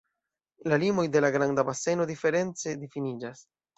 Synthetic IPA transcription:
lalimo̞jde̞laɡɾandabase̞no̞dife̞ɾe̞nt͡se̞difinid͡ʒas

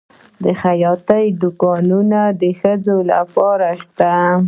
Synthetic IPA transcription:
d̪əxajɑt̪əjd̪ʊkɑnunad̪əxəd͡zola̰pɑɾaʃt̪a

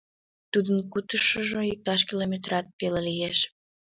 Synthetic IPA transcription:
t̪ud̪ənkut̪əʃəʒoik̚t̪ɑʃ̬kʲilomʲet̪rɑt̪̚pelelijeʃ

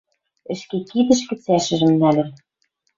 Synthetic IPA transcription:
ɘ̆ʃkekid̪ɘ̆ʃ̬kɘ̆t͡sæʃɘ̆ʒɘ̆mnælʲɘ̆n

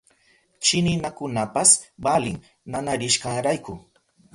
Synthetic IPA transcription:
t͡ʃɪnɪnakʊnapasbalɪŋ | nanaɾɪʃkaɾajkʊ

